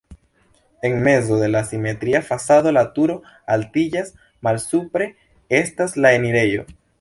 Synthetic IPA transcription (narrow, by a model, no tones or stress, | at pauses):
e̞ŋme̞zo̞ðe̞lasime̞tɾiafasaðo̞latuɾo̞ | altid͡ʒas | malsupɾe̞ | e̞staslae̞niɾe̞jo̞̰